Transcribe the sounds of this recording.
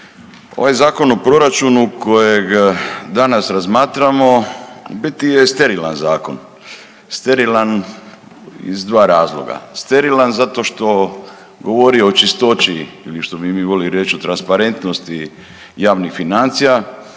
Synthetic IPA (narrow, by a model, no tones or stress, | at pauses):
o̞̰ʋajzaːko̞no̞pɾo̞ɾat͡ʃunukʰo̞jeɡd̪anasɾazmaːt̪ɾamo̞bit̪ijest̪e̞ɾila̰nzaːko̞̰n | st̪e̞ɾilan | ḭzd̪ʋaːɾaːzlˠo̰ɡa̰st̪e̞ɾilanzat̪o̞ʃt̪o̞ | ɡo̞ʋo̞ɾioot͡ʃist̪o̞t͡ʃiiliʃt̪o̞bimiːʋo̞liɾjet͡ʃot̪ɾanspaɾe̞nt̪no̞st̪i | jaːʋnixfinant̪sija